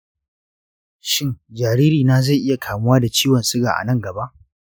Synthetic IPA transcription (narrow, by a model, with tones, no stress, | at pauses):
ʃɪ˦ŋd͡ʒaː˨ɾiː˦ɾiː˨naː˦za˦˨jʔɪ˦ja˨kʰaː˨mʊ˦waː˦da˨t͡ʃiː˦wɐ˨nsɪ˦ɡa̰ː˨ʔa̰˨nɐ˦ŋɡɐ˨ba˦ʔ